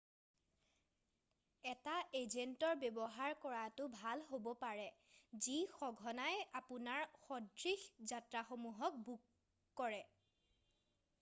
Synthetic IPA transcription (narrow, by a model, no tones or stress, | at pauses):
ɛtaezentɔɹbebɔɦaɹkɔɹatʊbʱalɦobɔpaɹɛzixɔɡʱɔnajapʊnaɹxɔdɹixzatɹaxomuɦɔk̚bukː | ɔɹɛ